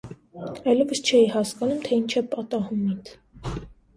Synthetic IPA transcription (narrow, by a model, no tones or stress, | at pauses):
ɑjlɛvəst͡ʃʰɛjihɑskɑnumt̪ʰɛint͡ʃʰɛpɑt̪ɑhumint̪ʰ